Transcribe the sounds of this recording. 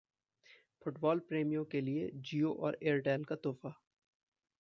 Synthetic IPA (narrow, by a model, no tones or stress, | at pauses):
fʊʈbɔːlpɾeːmijõkelied͡ʒiːoʔɔːɾeːɾʈɛːlkat̪oːfa